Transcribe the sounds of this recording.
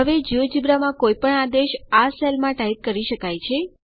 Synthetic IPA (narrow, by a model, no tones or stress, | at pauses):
ɦəʋed͡ʒiʋd͡ʒibɾamãkojpəɳad̪eʃaselmãʈait̪̚kəɾiʃəkajt͡ʃʰe